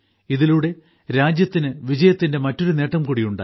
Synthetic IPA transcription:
iðiluɽe̞ | ɾaːd͡ʑjɐt̪ːinɨʋid͡ʑɐjɐt̪ːinde̞mɐtːo̞ɾune̞ːʈːɐmkuɽijuɳɖa̰ː

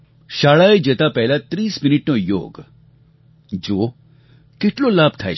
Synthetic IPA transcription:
ʃaːɭaed͡ʒət̪apɛɦlat̪ɾiːsmɪnɪʈnojo̰ːɡ | d͡ʒoː | keʈlolaːb̚ʱt̪ʰa̰e

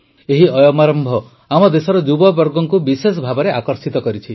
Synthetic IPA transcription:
eɦiɔjɔmaɾɔmbʱɔ | amɔd̪esɔɾɔd͡ʒubɔbɔɾɡɔŋkubisesɔbʱabɔɾeʔakɔɾsit̪ɔkɔɾit͡ʃʰi

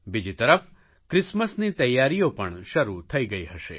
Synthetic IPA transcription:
bid͡ʒit̪əɾəf | kɾɪsməsniːt̪ɐjːaɾijopəɳʃəɾut̪ʰəiɡəiɦəʃḛ

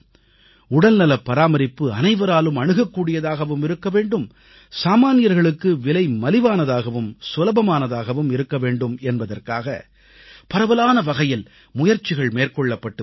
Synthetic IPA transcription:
ʊɽɐlnɐlɐpːɐɾaːmɐɾɪpːɯɐnɐɪʋɐɾaːlɯmɐɳɯɣɐkːuːɽɪjɐðaːɣɐʋɯmɪɾɯkːɐʋeːɳɖɯm | saːmaːnɪjɐɾɣɐɭɯkːɯʋɪlɐɪmɐlɪʋaːnɐðaːɣɐʋɯmsɔlɐbɐmaːnɐðaːɣɐʋɯmɪɾɯkːɐʋeːɳɖɯmɛnbɐðɐrkaːɣɐ̰ | pɐɾɐʋɐlaːnɐʋɐɣɐjɪl | mʊjɐɾt͡ʃːɪɣɐɭmeːrkɔɭːɐpːɐʈːɯ

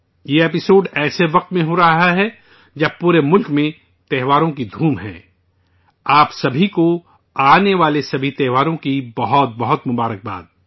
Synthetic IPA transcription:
jeeːpɪsoːɖɛːseʋɐq̚t̪mẽɦoɾɐɦaɦɛ | d͡ʒɐbpuːɾemʊlkmẽ | t̪ɛːɦʋaːɾõk̬id̪ʱuːmɦɛ̰̃ː | aːpsɐbʱiko | aːneʋaːlesɐbʱit̪ɛːʋaːɾõkibɐɦɔt̪̚bɐɦʊt̪mʊbaːɾək̚ba̰ːd̪

